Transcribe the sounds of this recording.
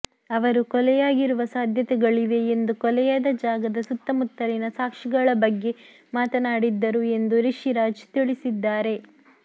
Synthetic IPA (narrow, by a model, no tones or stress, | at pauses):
ɐʋɐɾukɔlɛjaːɡiɾuʋɐsaːd̪ʱjɐt̪ɛɡɐɭiʋe̞ːnd̪ukɔlɛjad̪ɐd͡ʒaːɡɐd̪ɐsut̪ːɐmut̪ːɐlinɐsaːkʂiɡɐɭɐbɐɡːe̞ | maːt̪ɐnaːɽid̪ːɐɾue̞nd̪uɾiʂiɾaːd͡ʒt̪iɭisid̪ːaːɾe̞